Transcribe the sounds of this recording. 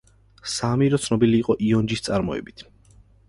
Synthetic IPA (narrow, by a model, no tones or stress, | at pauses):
samiɾɔt̪sʰnɔbiliːqʼɔʔiɔnd͡ʒist̪sʼaɾmɔɛ̰bit̪ʰ